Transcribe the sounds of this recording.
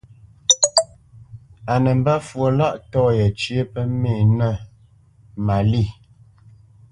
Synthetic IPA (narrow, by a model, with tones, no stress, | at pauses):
a˨nə˨m̩˦ba˦fwo˨la˦ʔtɔː˦jə˨t͡ʃje˦pə˦meː˦˨nə˦˨ | ma˨li˦˨